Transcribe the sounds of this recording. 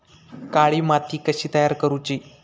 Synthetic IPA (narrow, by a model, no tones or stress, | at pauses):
kaɭiːmat̪ʰiːkəɕiːt̪əjaɾkəɾut͡ɕiː